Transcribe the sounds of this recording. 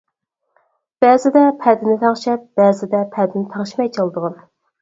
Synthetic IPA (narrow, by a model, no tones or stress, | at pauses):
b̥ɛzɪd̪ɛpʰɛd̪ɪnɪt̪ʰɑŋʃɛp̚b̥ɛzɪd̪ɛpʰɛd̪ɪnɪt̪ʰɑŋʃimɛjt͡ʃʰɑlˠd̪əʁɑn